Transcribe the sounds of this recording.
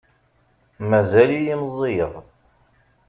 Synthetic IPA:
mæzælijimzˤːijəðˤ

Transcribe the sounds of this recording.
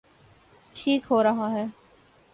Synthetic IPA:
ʈʰiːkɦoːɾɐɦaːɦɛː

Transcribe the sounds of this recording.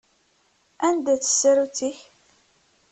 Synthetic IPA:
ænd̪æt͡sə̥sːæɾut͡siç

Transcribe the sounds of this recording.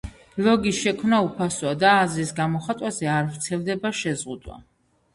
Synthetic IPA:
lɔɡisʃɛkʰmnaupʰaswad̪aːzɾisɡamɔχat̪ʼwazɛaɾvt̪sʰɛlˠd̪ɛbaʃɛzʁud̪wa̰

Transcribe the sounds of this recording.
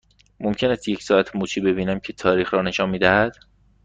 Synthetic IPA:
momcʰe̞næst̪je̞cʰsɒːæt̪ʰmuːt͡ʃʰiːbe̞biːnæmcʰe̞t̪ʰɒːɾiːxɾɒːne̞ʃɒːnmiːd̪æhæd̪̥

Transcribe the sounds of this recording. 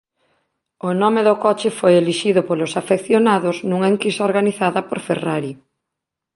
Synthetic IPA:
ʊnɔmeðʊkɔt͡ʃɪfojeliʃiðʊpolosafekθjonaðʊznuŋaeŋkisaoɾɣaniθaðɐpoɾfḛraɾi

